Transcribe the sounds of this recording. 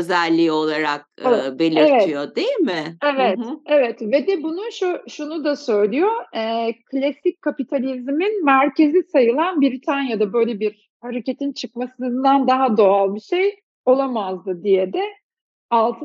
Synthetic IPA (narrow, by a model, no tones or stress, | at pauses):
øzælʲːiːo̞lˠaɾak̚be̞lʲivɛtijod̪ejilʲmɪevɛt̪evɛt̪vɛd̪ɛbunuʃuʃunud̪asø̞jlʲijoɛːkʰlʲasic̚kʰːapit̪ʰalʲizminmæɾce̞zisajɯlˠanbiɾit̪ʰanjad̪abø̞jlʲebiɾ | haɾecet̪ʰint͡ʃʰɯkmasɯnd̪and̪aɦad̪o̞alˠbiʃej | o̞lˠamazd̪ɯd̪ijed̪ɛ | alˠt̪ʰ